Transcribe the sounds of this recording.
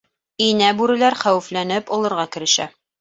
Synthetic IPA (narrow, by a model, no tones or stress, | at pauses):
inæbʉɾɘ̆læɾχæwɘ̆flænɘpɑlˠɤ̆ɾʁɑkɘ̆ɾɘ̆ʃæ̰